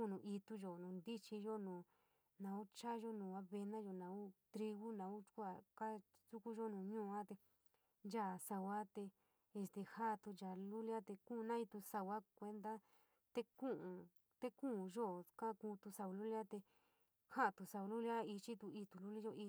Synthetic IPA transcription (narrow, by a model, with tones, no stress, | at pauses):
u˧nũ˨i˧t̪u˧ʒo˨nũ˨˧nd̪i˦t͡ʃi˧ʒo˦nũː˨ | nã˧u˦t͡ʃa˦ʒo˦nũː˨a˧˦βe˧nã˦ʒo˧˨nã˨˧u˦t̪ɾi˧ɣu˦nã˨u˦t͡ʃkʷa˧˨ka˦ | su˦ku˦ʒo˦nũː˨ɲũː˦˧ã˦t̪e˧ | nd͡ʒa˦˨sa˧wa˦t̪e˧ | e˧st̪e˧ha˦˧t̪u˧d͡ʒa˨lu˦lja˦t̪e˧kũ˦˧nã˦i˧t̪u˧sa˧wa˦kʷe˧nd̪a˦ | t̪e˧kũ˦ʔũ˧ | t̪e˦kũ˦˧ʒo˦kã˦kũː˧t̪u˧sa˧u˧lu˦lja˦t̪e˧ | ha˦ʔt̪u˧sa˧u˧lu˦lja˦i˧t͡ʃi˦t̪u˧i˧t̪u˧lu˦li˦ʒo˧ʔi˧